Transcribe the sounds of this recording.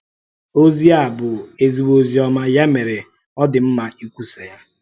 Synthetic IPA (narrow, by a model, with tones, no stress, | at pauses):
o˦zi˦a˦˨bʊ˨e˦zi˨wo˨zi˨ɔ˦ma˦ja˦me˨ɾe˨ | ɔ˦dɪ˨m̩˦ma˨ʔi˦kʷu˦se˨ja˦